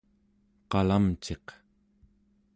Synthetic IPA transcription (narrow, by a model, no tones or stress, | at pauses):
qɑlamt͡ʃe̞q